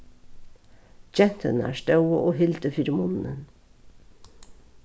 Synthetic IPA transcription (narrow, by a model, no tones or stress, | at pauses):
d͡ʒɛnt̪ʰə̰næ̰ːʃtœʊəʔoːhɪlt̪əfyːɾmʊnn̩ən